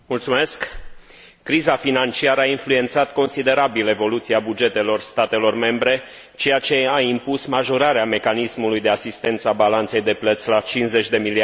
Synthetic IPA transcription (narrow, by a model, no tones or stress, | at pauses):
mult̪sume̞sk | kːɾizafinant͡ʃiaɾəainflue̞nt̪sat̪ko̞nsid̪e̞ɾabile̞vo̞lut̪siabud͡ʒe̞t̪e̞lo̞rst̪at̪e̞lo̞rme̞mbɾe̞ | t͡ʃe̞jat͡ʃe̞aimpusmaʒo̞ɾaɾeame̞kanismulujd̪e̞asist̪e̞nt̪səabalant̪se̞jd̪e̞plət̪sʲlat͡ʃinsze̞t͡ʃʲd̪e̞milia